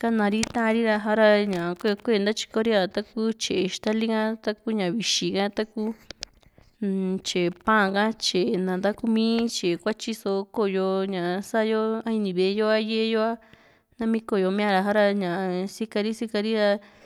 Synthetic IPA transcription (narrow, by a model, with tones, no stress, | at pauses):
ka˦nã˧ɾi˦t̪ã˦˧ɾi˦ɾa˧ɦa˦ɾa˧ɲã˨a˨kʷe˦˧kʷe˦˨˧nd̪a˦t͡ʃi̥˧ko˦ɾi˦a˧t̪a˦ku˦t͡ʃe˨e˨ʃt̪a˦li˦kã˦t̪a˦ku˦ɲã˨βi˧ʃi˨kã˦t̪a˦ku˦ | t͡ʃe˨pã˦˧kã˦t͡ʃe˨nã˨nd̪a˦ku˦mĩ˦t͡ʃe˨kʷa˦t͡ʃi˦so˧˦ko˧jo˧ɲã˨˧sa˦˧jo˦a˦i˧nĩ˧˨βe˨˧jo˦a˦je˦˧jo˦a˦ | nã˦mĩ˦ko˧˨jo˧mĩ˦ã˧ɾa˧ɦa˦ɾa˧ɲã˨a˨si˦ka˧ɾi˦si˦ka˧ɾi˦ɾa˧